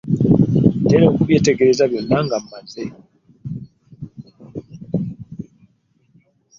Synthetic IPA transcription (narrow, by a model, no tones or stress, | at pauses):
teɾoːkuβjeteɡeɾezaβjonːaŋɡamːane